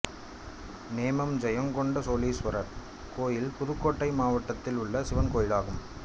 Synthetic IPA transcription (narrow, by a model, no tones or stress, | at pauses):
neːmɐmd͡ʒɐjɐŋkɔɳɖɐsoːliːsʋɐɾɐɾ | koːjɪlpʊðʊkːoːʈːɐɪmaːʋɐʈːɐt̪ːɪlʊɭːɐsɪʋɐnkoːjɪlaːɣɯm